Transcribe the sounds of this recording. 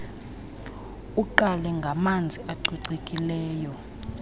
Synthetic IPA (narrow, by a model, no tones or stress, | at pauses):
uǃalɛŋɡʱamand͡zʱiʔaǀiǀekʼilɛːjɔ